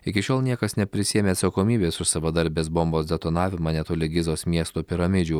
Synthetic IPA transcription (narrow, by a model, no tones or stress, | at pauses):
ɪkʲɪʃʲoːlˠnʲiɛkɐsnʲɛpʲɾʲɪsʲiɛmʲeːɐt̪sɐkoːmʲiːbʲeːsʊsɐʋɐd̪ɐɾʲbʲeːsbomboːsd̪ʲɛt̪oːnɑːʋʲɪmɑnʲɛt̪oːlʲɪɡʲɪzoːsmʲiɛst̪oːpʲɪɾɐmʲɪd͡ʒʲuː